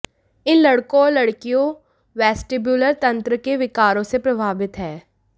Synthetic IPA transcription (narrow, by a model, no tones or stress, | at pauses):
ɪnlɐɽkõɔːɾlɐɽkijõ | ʋɛːsʈeːbjuːləɾt̪ɐ̃nt̪ɾəkeʋɪkaːɾõsepɾɐbʱaːbɪt̪ɦɛː